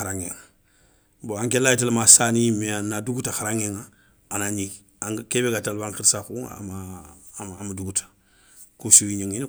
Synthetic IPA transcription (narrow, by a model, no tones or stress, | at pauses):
aɾãŋeŋ | boãŋkelait̬elamasaːnimeanaduɡutaxaɾaŋeŋa | anaɲi | ãŋkebekatalbãŋkiɾsakua̰maː | maduɡutḁ | kusuiɲiŋin